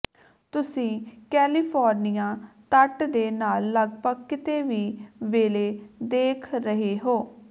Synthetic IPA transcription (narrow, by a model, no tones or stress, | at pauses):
t̪ʊsĩːkɛːliːpʰɔːɾnijãːt̪əʈd̪eːnaːlːəɡpəkːt̪eːʋiːʋeːleːd̪eːkʰɾəɦeːɦoː